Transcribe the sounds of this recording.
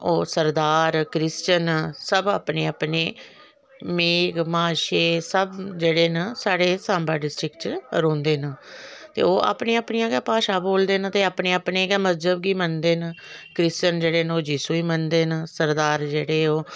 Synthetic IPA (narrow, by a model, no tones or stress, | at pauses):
oːsəɾd̪aːɾkɾɪst͡ʃənsəbaːpneːaːpneː | meːɡmaːʃeːsəbd͡ʒeːɽeːnasaːɽeːsãːmbaːɖɪsʈɾɪkt͡ʃɾõːnd̪eːnaːt̪ḛːoːʔa̰ːpneːaːpniːãːɡɛːpaːʃaːboːld̪eːnə̃t̪eːaːpneːaːpneːɡɛːməzd͡ʒəbɡiːmənd̪eːnəːkɾɪst͡ʃənd͡ʒeːɽeːnoːd͡ʒiːsuːiːmənd̪eːnəsəɾd̪aːɾd͡ʒeːɽeːoː